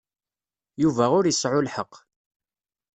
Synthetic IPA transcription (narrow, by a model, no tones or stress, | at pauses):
juvæʁʊɾjəsʕʊlħəqː